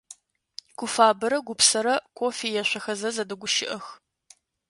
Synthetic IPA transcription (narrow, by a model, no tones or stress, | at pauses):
kʷʰʊfaːbɨɾɐɡʷʊpsɐɾɐkʷʰʼoːfiːjɛɕʷɐxɐzɐzɐdɐɡʷʊʃɪ̰ʔɐx